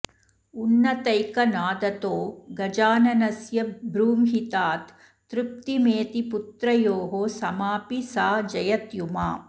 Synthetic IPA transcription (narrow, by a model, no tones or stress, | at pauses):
unːɐt̪ɐjkɐnaːd̪ɐt̪oːɡɐd͡ʒaːnɐnɐsjɐbɾuːmɦit̪aːt̪ː | ɾup̚t̪imeːt̪iput̪ɾɐjoːɦosɐmaːpisaːd͡ʒɐjɐt̪jumaː